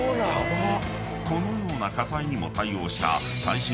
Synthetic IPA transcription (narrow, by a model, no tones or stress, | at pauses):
aono | ko̞no̞jo̞ːnakasaiɲ̟imo̞̰t̪aio̞ːɕi̥t̪a̰ | saiɕi